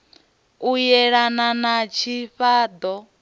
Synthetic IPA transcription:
ujɛɺananat͡ʃʰiɸaːd̪ɔ

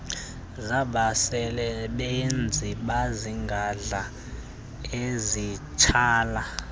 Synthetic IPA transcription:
zaɓasɛlɛɓend͡zʱiɓaziŋɡʱaɮa | ezit͡ʃʰaːla

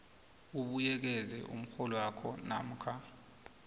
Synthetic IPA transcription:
uɓujɛk̬ɛzɛ̰ʔṵm̩xɔlɔwakʰɔna̰m̩kʰa

